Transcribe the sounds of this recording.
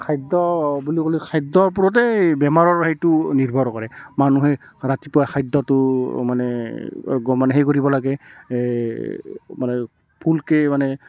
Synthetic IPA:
kʰajdɔbulikolikʰajdɔɹp̬uɹɔt̬ɛbɛmaɹɔɹɦejtʊniɹbʱɔɾɔkɔɹɛmanuɦɛɹatipɔakʰajdːɔtʊmanɛ | ɡɔmanɛɦejkoɹibɔlaɡɛ | manɛ | pʰulkɛmanɛ

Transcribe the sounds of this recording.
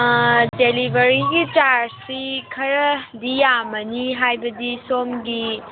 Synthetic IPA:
delibʱɐɾiɡit͡ʃaɾɾsikʰɐɾɐdijamɐniɦajbɐdisomɡi

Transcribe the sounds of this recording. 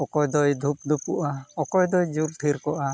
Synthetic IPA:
ɔkɔjd̪ɔjd̪ʱup̚d̪ʱupuʔaɔkɔjd̪ɔjd͡ʒult̪ʰiɾkɔʔa

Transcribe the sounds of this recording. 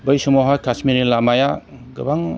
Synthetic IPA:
bɯjsɔmɔɦajkʰasmiɾilamajaɡɯbaŋ

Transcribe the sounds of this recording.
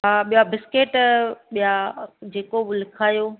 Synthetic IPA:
ɦaːɓijabɪskeːʈɓijad͡ʑeːkoɓʊlɪkʰaːjoː

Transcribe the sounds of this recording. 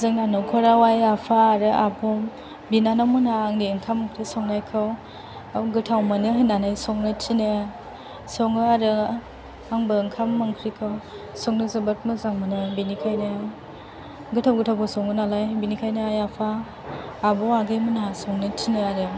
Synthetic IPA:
zɯŋnanɯwkʰɔɾawajapʰaːɾɯʔabɔ | binanamɯnaːŋniɯŋkʰamkʰɾisɔŋnajkʰɯw | ɡɯtʰawmɯnɯɦɯnanajsɔŋnɯtʰinɯ | sɔŋɯaɾɯ | aŋbɯɯŋkʰamːaŋkʰɾikʰɯw | sɔŋnɯzɯbɯt̚mɯzaŋmɯnɯbinikʰajnɯ | ɡɯtʰawɡɯtʰawkʰɯsɔŋɯnalajbinikʰajnɯajapʰaː | bɔaɡɯjmunɦasɔŋnɯtʰinɯaɾɯ

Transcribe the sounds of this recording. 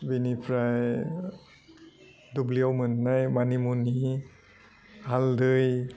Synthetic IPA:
binipʰɾaj | dubliawmɯnːajmanimuni | haldɯj

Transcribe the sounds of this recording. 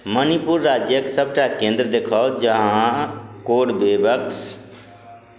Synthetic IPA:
mənipuɾːaːd͡ʒjəksəb̚ʈakẽnd̪ɾəd̪ekʰaːd͡ʒəɦãkoːɽbebəks

